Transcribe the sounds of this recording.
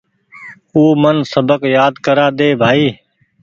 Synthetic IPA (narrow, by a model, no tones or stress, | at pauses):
uːmənsəbəkjaːd̪kəɾaːd̪eːbʱaːiː